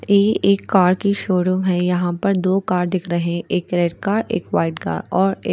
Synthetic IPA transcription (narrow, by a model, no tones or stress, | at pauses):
jeːʔeːkːaːɾkiʃoːɽõɦɛ̃jɐɦãpɐɾd̪oːkaːɾd̪ɪkʰɾɐɦeɦɛ̃ʔeːkɾeːɖkaːɾḛːkʋaːɪʈka̰ːɾɔːɾeː